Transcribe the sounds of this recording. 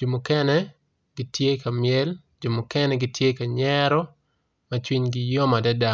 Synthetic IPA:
d͡ʒo˨mʊ˨kɛ˦nɛ | ɡ̥ɪ˦tje˦ka˨mjɛ˦l | d͡ʒo˨mʊ˨kɛ˦nɛ˦ɡɪ˦tje˦ka˨ɲɛɾɔ˦ | mɐt͡ʃwi˦ɲɡɪjo˦ma˨dɛ˦da˦

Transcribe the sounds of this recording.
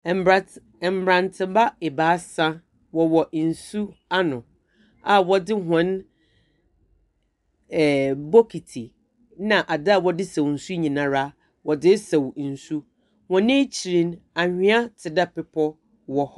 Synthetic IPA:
ɛ˨m˦˨bɾã˨ntʰɪ˦ba˦ɛ˨baː˨˦sã˦ | wɔ˨wɔ˨n̩˨su˦a˦nʊ̃˨ | a˨wɔ˦dɪ˦ɦɔ̃˨˦n | ɛ˨bɔ˦kʰi˨tʰi˨ | nã˨ʔa˨da˦a˦˨wɔ˦dɪ˦sã˨wn̩˨su˦ɲĩ˨nã˨ɾa˦ | wɔ˨dɪ˦sa˨wn̩˨su˦ | wɔ̃˨nɪ̃˦t͡ɕʰi˨ɾĩ˦na˨hᶣɪ̃˦a˦tʰɪ˨da˦pɪ˦pʰɔ˦ | wɔ˦h

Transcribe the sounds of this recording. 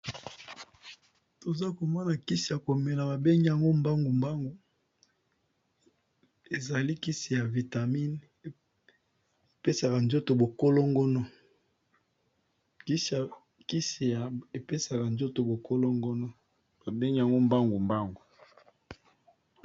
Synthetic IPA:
to˨za˦ko˨ma˦na˨ki˦si˨ja˨ko˨me˨la˨ba˨be˦ŋɡi˦a˨ŋɡo˦mba˦ŋɡu˨mba˦ŋɡu˨ | e˨za˨li˦ki˦si˨ja˨vi˨ta˨mi˦n˨ | e˨pe˦sa˨ka˨nzo˦to˨bo˨ko˦lo˦ŋɡo˦no˦ | ki˦s | ki˦si˨ja˨e˨pe˦sa˨ka˨nzo˦to˨bo˨ko˦lo˦ŋɡo˦no˦ | ba˨be˦ŋɡi˦a˨ŋɡo˦mba˦ŋɡu˨mba˦ŋɡu˨

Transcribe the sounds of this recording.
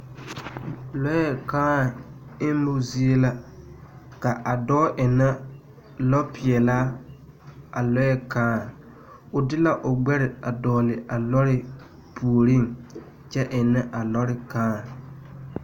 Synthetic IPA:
lɔ˦jɛ˦˨kaː˦˨ɪ˦mʊ˦zi˦e˦la˦ | ka˨ʔa˨dɔː˦ʔɪ˨na˦ | lɔ˦pɪ˨ɛ˨la˦ | a̰˨lɔ˦jɛ˦kaː˦˨ | ʊ˨dɪ˦la˦ʔʊ˨ɡ͡bɛ˦ɾɪ˨a˨dɔː˨lɪ˨a˨lɔ˦ɾɪ˦ | pʰu˨o˨ɾi˦˨ŋ | t͡ʃɛ˦ʔɪ˨nɛ˦ʔa˨lɔ˦ɾɪ˨kaː˦˨

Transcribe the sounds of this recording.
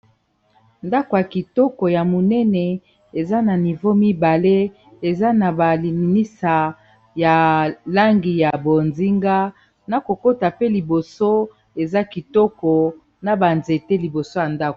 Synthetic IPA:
nda˦ko˨ja˨ki˨tɔ˦kɔ˨ja˨mo˨nɛ˦nɛ˨ | e˨za˦na˨ni˨vo˦mi˦ba˨le˦ | e˨za˦na˨ba˨li˨i˨ni˦sa˨ | ja˨la˦ŋɡi˨ja˨bo˨nzi˦ŋɡa˦ | na˨ko˨ko˦ta˨pe˦li˨bo˨so˦ | e˨za˦ki˨tɔ˦kɔ˨ | na˨ba˨nze˨te˦li˨bo˨so˦ja˨nda˦ko˨

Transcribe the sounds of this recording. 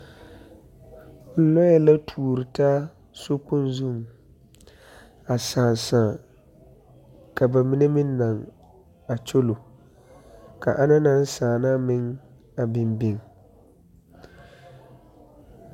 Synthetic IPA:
lɔ˦ja˦la˦tʰuː˨ɾɪ˨taː˦ | so˦k͡pʊ˦nzʊ˦˨m | a˨saː˨n˨saː˨ | ka˨ba˨mi˦ne˦mɪ˦nː˦a˨ŋ | a˨t͡ʃo˦lo˨ | ka̰˨ʔa˦na˦na˦n˦saː˨na˦mɪ˦ŋ | a˨bɪ˨mbɪ˦ŋ

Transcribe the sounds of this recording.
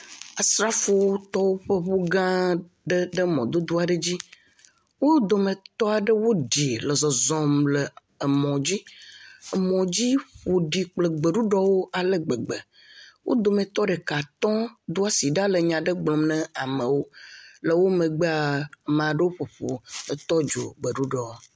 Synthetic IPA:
a˨sɾa˦fo˨wo˦t̪ɔ˦wo˦ɸə˦ɸo˦ɡã˦ | ɖə˦ɖə˦mɔ̃˨d̪o˦d̪u˦a˨ɖə˦d͡ʑi˦ | wo˦d̪o˨mẽ˨t̪ɔ˦a˨ɖə˦wo˦ɖi˨lə˨zɔ˨zɔ̃˨mlə˨ | ə˨mɔ̃˨d͡ʑi˦ə˨mɔ̃˨d͡ʑi˦ɸo˨ɖi˨k͡plə˨ɡ͡be˨ɖu˦ɖɔ˦wo˦a˨lə˦ɡ͡be˨ɡ͡bə˨ | wʔo̰˦d̪o˨mẽ˨t̪ɔ˦ɖə˨ka˨t̪ɔ̃˦d̪u˦a˦si˨ɖa˦lə˨ɲã˨ɖə˦ɡ͡blɔ̃˨mnɛ̃˦a˨mə̃˨wo˦lə˨wo˦mẽ˨ɡ͡be˦a˨mã˨ɖə˦wo˦ɸo˨ɸo̰˨ə˨t̪ɔ˦d͡ʒo̰˨ɡ͡bə˨ɖu˦ɖɔ˨w

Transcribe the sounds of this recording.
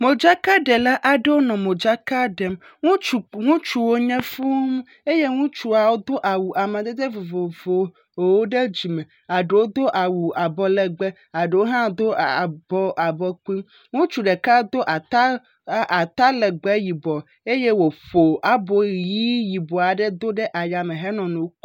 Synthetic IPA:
mo˨d͡ʒa˦ka˦ɖe˨la˦ʔa˨ɖe˦wo˦nɔ̃˨mõ˨d͡ʒa˦ka˦ɖe˨m | ŋũ˦t͡ʃu˨ŋũ˦t͡ʃu˨wo˦ɲɛ̃˦fu˦ŋ˦ | e˦je˦ŋũ˦t͡ʃu˨a˨wo˦d̪o˦ʔa˨wu˨ʔa˨mɛ̃˨d̪e˦d̪e˦vo˨vo˨vo˨ | wo˦ɖe˦d͡ʑi˨mɛ̃˨ | a˨ɖe˨wo˦d̪o˦ʔa˨wu˨a˨bɔ˨lɛ˨ɡ͡bɛ˦ | a˨ɖe˨wo˦ɦã˦d̪o˦˨bɔ˦ʔa˨bɔ˦ku˦i˦m | ŋũ˦t͡ʃu˨ɖe˨ka˦d̪o˦ʔa˨t̪a˦ | ʔa˨t̪a˦lɛ˨ɡ͡bɛ˦ji˨bɔ˨ | e˦je˦wo˨ɸo˨ʔa˦bɔ˨ji˦ji˨bɔ˨a˨ɖɛ˦d̪o˦ɖɛ˦ʔa˨ja˨mẽ˨ɦɛ˦nɔ̃˨nũ˨wo˦k

